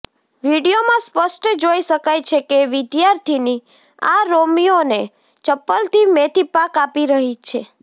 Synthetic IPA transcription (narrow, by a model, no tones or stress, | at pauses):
ʋiɽiomãspəsʈd͡ʒoiʃəkajt͡ʃʰekeʋɪd̪jaɾt̪ʰini | a̰ɾomione | t͡ʃəpːəlt̪ʰimet̪ipakapiɾəɦit͡ʃʰe